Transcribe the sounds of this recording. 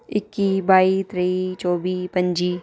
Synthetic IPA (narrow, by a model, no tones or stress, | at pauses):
ɪkːibaːit̪ɾeit͡ʃɔːbiːpɐ̃ɲd͡ʒiː